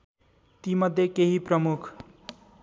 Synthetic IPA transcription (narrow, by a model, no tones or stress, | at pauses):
t̪imʌd̪ʱjekeɦiprʌmukʰ